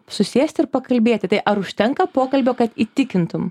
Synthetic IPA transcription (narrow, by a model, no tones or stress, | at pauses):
sʊsʲeːsʲt̪ʲɪɾpɐkɐlʲbʲeːt̪ʲɪt̪ɐɪʔɐɾʊʃʲt̪ʲɛŋkɐpoːkɐlʲbʲoːkɐt̪iːt̪ʲɪkʲɪnt̪ʊm